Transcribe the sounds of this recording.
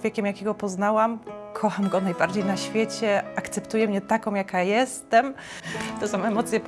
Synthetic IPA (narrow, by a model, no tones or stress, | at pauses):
vʲjɛkʲɛmjakʲɛɡɔpɔznawamkʰɔxamɡɔnajbaɾd͡ʑejnaɕfʲjɛt͡ɕɛakt̪sɛpt̪ujɛmɲɛt̪akɔ̃w̃jakajɛst̪ɛm | t̪ɛsɔ̃mɛmɔt̪sʲjɛ